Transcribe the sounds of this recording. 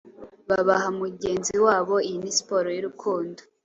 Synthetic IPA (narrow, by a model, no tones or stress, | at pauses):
βaβaɦamuɟe̞ːnziwaːβo̞ijinispoɾojiɾukʰuːndo